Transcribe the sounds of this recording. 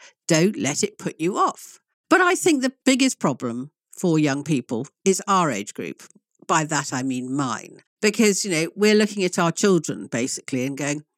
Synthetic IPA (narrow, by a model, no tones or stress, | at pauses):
d̥õʊ̃nʔlɛɾɨt̚pʰʊt͡ʃɨɔf | b̥ʌɾaɪθɪ̃ŋk̚ðɨb̥ɪɡɨspʰɹ̥ɒblə̃ɱ | fə˞jʌ̃ŋpiˑpəlˠɪzaʊə˞eɪd͡ʒɡ̥ɹʉ̰p | b̥aɪðəɾaɪmĩnmã̰ɪ̃n | b̥ɨkʰʌzjɨnoʊwɪɹlʊkɪ̃ŋɨɾaʊə˞t͡ʃʰɪlˠdɹə̰̃nb̥eɪsɨ̥kʰliɨ̃nɡoʊɪ̃ŋ